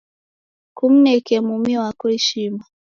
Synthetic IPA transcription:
kum̩nɛkɛmumiwakuɾiʃima

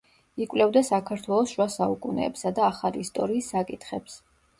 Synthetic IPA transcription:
ikʼwlɛvd̪asakʰaɾt̪ʰwɛlˠɔsʃwasaukʼunɛ̰ːpsad̪aːχaliːst̪ʼɔɾiːsːakʼit̪ʰχɛps

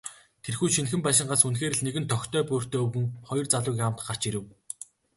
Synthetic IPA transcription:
t̪ʰerxuːʃinxɘ̆mpaʃɪ̆ɴɢasunxeːɾɘ̆ɮneɣɘ̆nt̪ʰɔxʲt̪ʰœːpʊːr̥t̪ʰeːɵwɣɘ̆ŋχɔjɞ̆rt͡saɮʊːkʲam̥t̪ɢar̥t͡ɕiɾɘ̆w

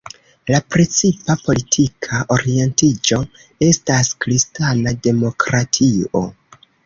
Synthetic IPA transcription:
lapɾe̞t͡sipapo̞litʰikʰaʔo̞ɾie̞ntid͡ʒo̞ | e̞staskɾistanade̞mo̞kɾatʰio̞̰

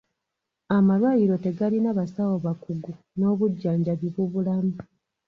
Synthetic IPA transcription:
amalwaːjiɾo̞te̞ɡalinaβasawoβakuɡu | no̞ːβuɟːaːɲɟaβiβuβulamu

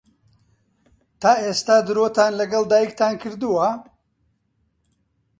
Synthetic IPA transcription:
t̪aːʔeːst̪aːd̪ɨɾoːt̪aːnlɐɡɐld̪aːjikt̪aːnkʰɨɾd̪uwɐ

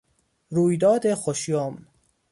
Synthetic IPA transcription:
ɾuːjd̪ɒːd̪exoʃjom

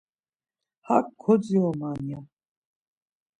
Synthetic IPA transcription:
hakʰːɔd͡ziɔmanija

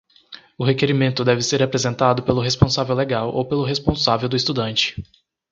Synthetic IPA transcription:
ʊɦekeɾimẽnt̪ʊd̪ɛvɪseɾapɾezẽnt̪ad̪ʊpelʊɦespõsavewleɡawʔo̰wpelʊɦespõsavewd̪ʊist̪ud̪ɐ̃nt͡ʃɪ̥

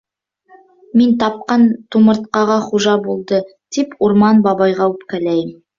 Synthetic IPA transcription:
mint̪ɑp̚qɑnt̪umɤ̆ɾt̪̚qɑʁɑχuʒɑbulˠd̪ɤt̪ipuɾmɑnbɑβɑjʁɑʉp̚kælæjɘm

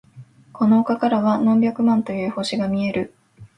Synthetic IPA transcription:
kʰo̞no̞ːkakaɾaβanõmbʲjakɯ̟mãnt̪o̞jɯ̟ːho̞ɕiɡamʲie̞ɾɯ̟

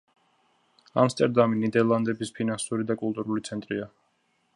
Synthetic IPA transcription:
a̰mst̪ʼɛɾd̪aminid̪ɛɾlˠand̪ɛbispʰinansuɾid̪akʼulˠt̪ʼuɾulit̪sʰɛnt̪ʼɾia

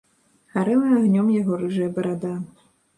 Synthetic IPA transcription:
xaɾɨlˠɨaɣnʲɔmjaɣɔɾɨʐɨjɐbɐɾad̪a

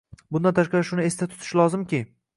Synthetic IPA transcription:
bʊnd̪ant̪ʰaʃqɑɾɪʃʊnɪe̞st̪at̪ʰʊ̥t̪ʰɪ̥ʃlˠɒzɪmkʲɪ

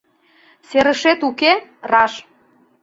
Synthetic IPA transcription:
seɾə̆ʃet̪ukerɑʃ

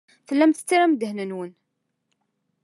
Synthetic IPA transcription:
θəlːæmθə̥t͡sːiɾæmd̪əhnənwən

